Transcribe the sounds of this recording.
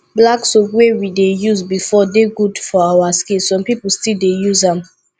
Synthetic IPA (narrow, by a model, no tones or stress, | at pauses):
blaksokwewidejuzbifɔdeɡudfɔawaskĩlsɔ̃mpipulstildejuzãm